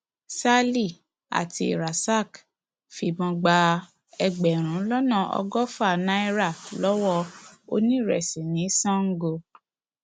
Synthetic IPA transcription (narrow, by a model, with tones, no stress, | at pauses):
sa˦li˦˨ | a̰˨ti˧i˨ɾa˨sa˦˨k | fi˨bɔ̃˧ɡ͡ba˧ | ɛ˧ɡ͡bɛ˨ɾ̃ũ˨˦lɔ˦nã˦˨ɔ̰˧ɡɔ˦fa˦˨na˦i˦ɾa˦˨lɔ˦wɔ˧o̰˧nĩ˦˨ɾɛ̰˨sĩ˨nĩ˨˦sɔ̃˦ŋ̩˦ɡo˧